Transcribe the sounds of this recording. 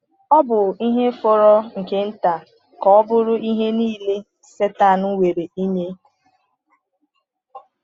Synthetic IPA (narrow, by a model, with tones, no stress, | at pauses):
ɔ˦bʊ˨i˦ɦe˦fo˦ɾɔ˦ŋ̩˨ke˦n̩˦ta˨ | kɔ˨˦bʊ˦ɾʊ˦i˦ɦe˦niː˦le˦ | se˦ta˦˨nu˦we˨ɾe˨i˦ɲe˦